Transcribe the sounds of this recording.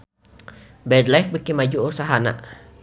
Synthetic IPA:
bɛd̪lajfbəkimad͡ʒuʔosaɦana̰ʔ

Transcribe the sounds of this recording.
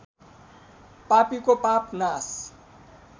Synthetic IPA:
papikopapnas

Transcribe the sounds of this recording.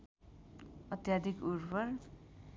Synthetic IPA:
ʌt̪jad̪ʱikuɾpʌr

